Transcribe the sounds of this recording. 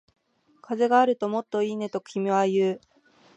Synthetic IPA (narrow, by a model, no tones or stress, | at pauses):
kʰaze̞ɡaːɾɯ̟t̪o̞mo̞t̪ːo̞iːne̞t̪o̞kʲimʲiβajɯː